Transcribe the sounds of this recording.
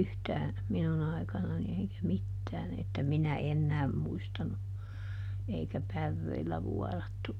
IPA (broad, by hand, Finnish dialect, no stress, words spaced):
yhtæːn̞ minun ɑi̯kɑnɑni eikæ mitːæːn etːæ minæ enːæːm muistɑnu eikæ pærːeilːæ ʋuɔrɑtːu